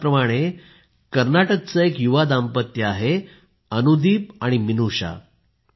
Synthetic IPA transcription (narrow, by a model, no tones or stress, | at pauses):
pɾəmaɽ̃e | kəɾnaʈək̚t͡səekjuʋad̪ampət̪jəaɦe | ənud̪ʱiːp̚aɽ̃iminuɕa̰